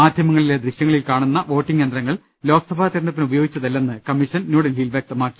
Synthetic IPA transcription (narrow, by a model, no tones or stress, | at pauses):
maːd̪ʱjɐmɐŋːɐɭile̞d̪ɾiɕjɐŋːɐɭilkaːɳunːɐʋo̞ːʈːiŋːend̪rɾɐŋːɐɭ | lo̞ːkɐsɐbʱaːt̪ɐɾɐnɐt̪ːinubɐjoːɡit͡ɕːɐðelːe̞nːɨkɐmːiʂɐnnuːɽɐnilʋjɐk̚t̪ɐmaːkːi̥